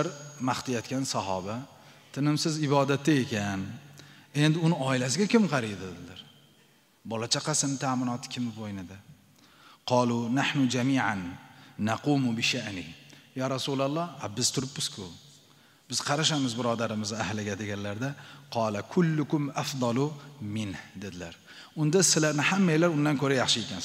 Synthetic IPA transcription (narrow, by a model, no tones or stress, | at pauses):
aɾmaχt̪ɪjat̪kʲʰansɑɦɒ̰ba | t̪ʰɪnɪmsɪzɪbɒd̪at̪ːae̞kʲan | e̞nd̪ɪʊnɪɒɪlas̬ɪɡʲakʲɪmqʰɑɾid̪ɪlaɾ | bɒlat͡ʃʰaqʰɑsɪmt̪ʰaʕmɪnɒt̪ʰɪ̥kʲʰɪmvojnɪd̪ɪ | qʰɑːlunaħnʊd͡ʒamiːʕanːaquːmʊbɪʃaʔnijɒːɾɑsulalˠːɑabɪz̥t̪ʰʊɾɪpːɪz̥kʰʊ | b̥ɪz̥qʰɑɾaʃamɪzbɪɾɒd̪aɾɪmɪzahlɪɡʲad̪e̞ɡʲanlaɾd̪aqʰɑːlakʰʊlːʊkʊmafd̪ˤɑlʊmɪnhd̪ed̪ɪlaɾ | ʊnd̪asɪlaɾnɪhamːajlaɾʊnd̪ankʰɵɾajɑχʃɪekʲan